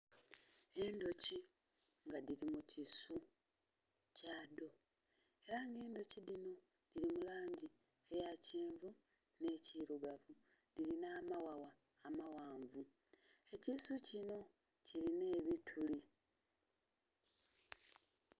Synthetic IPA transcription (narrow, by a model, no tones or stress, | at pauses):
e̞ndo̞ci | ŋɡadiɾimucisu | cado̞ | e̞ɾaŋɡe̞ːndo̞cidino̞ | d̥iɾimulaːɲɟi | ejaceːɱvu | ne̞ciɾuɡavu | d̥iɾinaːmawawaː | mawaːɱvu | e̞cisucino̞ | ciline̞ːβitʰuli